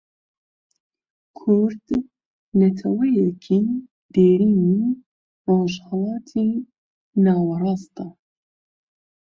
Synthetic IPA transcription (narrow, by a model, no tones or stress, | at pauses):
kʰʊɾd̪̥ | nɛt̪ʰɛwɛjɛkʰin | d̪̥eːɾiːni | roʒhɛlɑːt̪ʰi | nɑːwɑɾɑːst̪ɑ